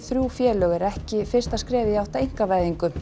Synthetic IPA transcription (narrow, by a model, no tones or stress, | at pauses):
θɾjuːfjɛːlœːɣɛɾɛhcɪfɪr̥st̪askɾɛːvɪijawht̪aeŋ̥kavajðiŋkʏm